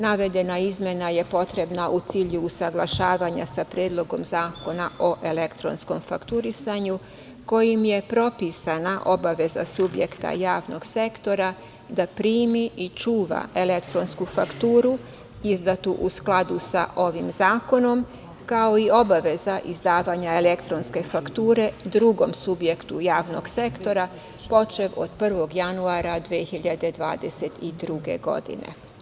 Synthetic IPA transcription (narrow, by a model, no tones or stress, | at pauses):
naʋe̞d̪e̞naizmje̞naje̞po̞t̪ɾe̞bnaʔut̪siːʎuːsaɡlˠaʃaːʋaɲa̰sapɾjeːd̪lˠo̞ɡo̞mzaːko̞nao̞ʔe̞le̞kt̪ɾo̞̰nsko̞mfakt̪uɾisaɲu | ko̞jimje̞pɾo̞pisanaʔo̞baʋe̞za̰subje̞kt̪a̰jaːʋno̞ɡse̞kt̪o̞ɾa | d̪apɾiːmiʔit͡ʃuːʋa̰e̞le̞kt̪ɾo̞nskufakt̪uːɾu | izd̪at̪uʔusklˠad̪usa̰ʔo̞ʋimzaːko̞no̞m | kao̞io̞baʋe̞zaʔizd̪aːʋaɲaele̞kt̪ɾonske̞fakt̪uːɾe̞d̪ɾuɡo̞msubje̞kt̪ujaːʋno̞ɡse̞kt̪o̞ɾa | po̞t͡ʃe̞ʋo̰d̪̥pr̩ʋo̞ɡjanuaɾad̪ʋiexiʎad̪e̞d̪ʋa̰ːd̪e̞set̪id̪ɾuɡe̞̰ɡo̞̰d̪ḭnḛ